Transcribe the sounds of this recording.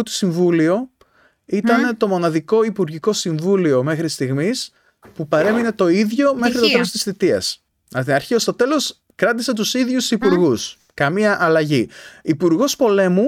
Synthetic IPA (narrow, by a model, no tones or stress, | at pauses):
t̪u̥siɱvulio | it̪ɐnet̪o̞mo̞nɐðiko̞ipuɾʝiko̞siɱvulio̞me̞xɾist̪iɣmis | pupɐɾe̞mine̞t̪o̞iðʝo̞me̞xɾit̪o̞t̪elo̞st̪i̥sθit̪iɐ̰s | ɐt̪inɐɾçiost̪o̞t̪e̞lo̞s | kɾɐt̪iset̪usiðʝusipuɾɣus | kɐmiɐʔɐlɐʝiipuɾɣo̞spo̞le̞mu